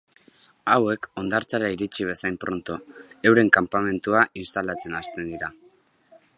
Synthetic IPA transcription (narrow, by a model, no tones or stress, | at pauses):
awe̞ko̞nd̪aɾt͡saɾaiɾit͡siβ̞e̞sajmpɾʔo̞nt̪o̞e̞wɾe̞ŋkampame̞nt̪uaʔinst̪alat͡se̞nast̪e̞nd̪iɾa